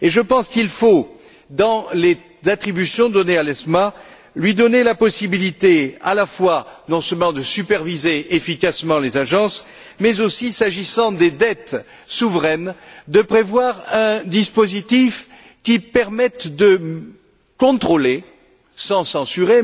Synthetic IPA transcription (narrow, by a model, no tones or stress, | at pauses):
eʒəpɑ̃skilfo | d̪ɑ̃le | zat̪χibysjɔ̃d̪ɔnealɛsma | lɥid̪ɔnelapɔsibilit̪ea̰lafwanɔ̃sœlmɑ̃d̪əsypɛʁvizeʔefikasmɑ̃lezaʒɑ̃s | mɛzosisaʒisɑ̃d̪ed̪ɛt̪ | suvʁɛnd̪əpχevwaʁɛ̃d̪ispozit̪if | kʲipɛʁmɛt̪d̪ə | kɔ̃t̪χole | sɑ̃sɑ̃syʁe